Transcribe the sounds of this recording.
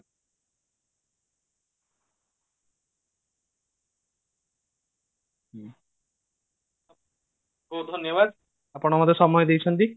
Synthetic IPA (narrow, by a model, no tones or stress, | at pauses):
ɦod̪ʱonjɔβad̪ | apɔɽ̃amad̪eʃɔmɔjed̪ejt͡ɕʰent̪i